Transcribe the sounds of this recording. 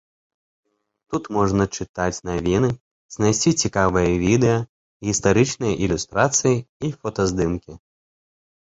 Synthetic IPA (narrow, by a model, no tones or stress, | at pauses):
t̪ut̪mɔʐnɐt͡ʂɨt̪at͡sʲnavʲinɨ | znajsʲt͡sʲit͡sʲikavɨjɐvʲid̪ɛjɐ | ɣʲist̪aɾɨt͡ʂnɨjɐʔilʲust̪ɾat̪sɨjiifɔt̪ɐzd̪ɨmkʲi